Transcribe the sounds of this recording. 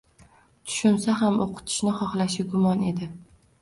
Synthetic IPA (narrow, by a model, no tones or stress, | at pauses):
t̪ʰʊ̥ʃʊnsaɦamoqʰɨ̥t̪ʰɪ̥ʃnɪχɒχlaʃɪɡʊmɒne̞d̪ɪ